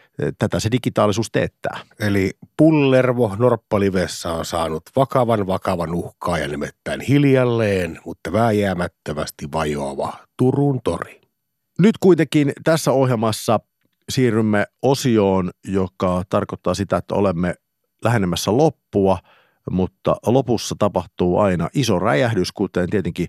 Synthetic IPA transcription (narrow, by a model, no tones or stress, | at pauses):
t̪æt̪æsedikit̪ɑːlisuːst̪eːt̪ːæ̰ːelipulːerʋohnorpːɑliʋesːæonsɑːnut̪ʋɑkɑʋɑnʋɑkɑʋɑnuhkɑːjɑ̰nimet̪ːæinhiljɑlːeːnmut̪ːɑʋæːjæːmæt̪ːømæ̰st̪iʋɑjo̰ɑʋɑ̰t̪urunt̪o̰ri | nyt̪kuit̪ekint̪æsːæohjelmɑsːɑ | siːrːymːeosioːnjokɑt̪ɑrkot̪ːɑːsit̪æet̪ːæ̰olemːe | læɦenemːæsːælopːuɑ | mut̪ːɑ̰lopusːɑt̪ɑpɑht̪uːʔɑ̰inɑ̰ʔisoræ̰jæhdyskut̪ent̪iet̪eŋki